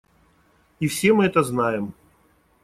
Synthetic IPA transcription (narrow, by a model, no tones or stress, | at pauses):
ifsʲe̞mɨɛt̪əznajɪm